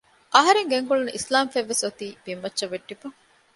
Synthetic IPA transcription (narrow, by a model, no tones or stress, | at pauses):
ʔɐɦɐɾeŋɡeŋkuɭunuʔislaːmfeʋːesot̪iːbimʋɐtːʃɐʋeɖːifuŋ